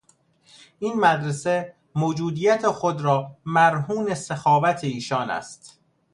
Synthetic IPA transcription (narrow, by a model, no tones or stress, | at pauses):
ʔiːnmæd̪ɾese | moːd͡ʒuːd̪iːjæt̪ʰexod̪ɾɒːmæɾɦuːne̞sexɒːvæt̪ʰeiːʃɒːnæ̰st̪